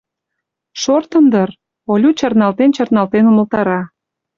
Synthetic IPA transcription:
ʃort̪ənd̪ər | olʲut͡ɕɑrnɑlt̪ent͡ɕɑrnɑlt̪enuməlt̪ɑɾɑ

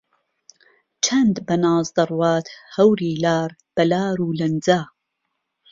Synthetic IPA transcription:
t͡ʃʰɐnd̪bɐnɑːzd̪ɐrwɑːt̪hɐwɾiːlaːɾb̥ɐlaːɾuːlɐnd͡zaː

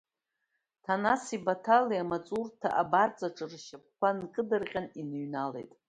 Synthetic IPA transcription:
tʰanasibatʰaliamat͡sʼurtʰa̰ʔabart͡sʼaʈ͡ʂʼɨrʃap̚kʷankʼɨdɨrqʲʼaninɨɥnale̞̰jtʼ

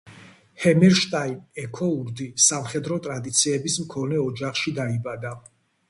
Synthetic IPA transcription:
hɛmɛɾʃt̪ʼainɛkʰɔuɾd̪isamχɛd̪ɾɔt̪ʼɾad̪it̪sʰiɛbismkʰɔnɛɔd͡ʒaχʃid̪aibad̪a

